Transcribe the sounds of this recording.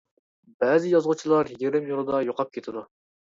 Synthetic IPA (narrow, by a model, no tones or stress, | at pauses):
bɛːzɪjɑzʁʊt͡ʃʰilˠɑɾjeɾɪmjolˠɨd̪ɑjoqʰɑp̚kʲʰet̪ʰɪd̪u